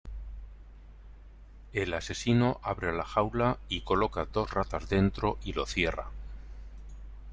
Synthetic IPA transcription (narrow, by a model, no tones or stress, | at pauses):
e̞lase̞sinoʔaβɾelaxawlaiko̞lo̞kaðo̞zrat̪azðe̞nt̪ɾo̞ʔilo̞θje̞ra̰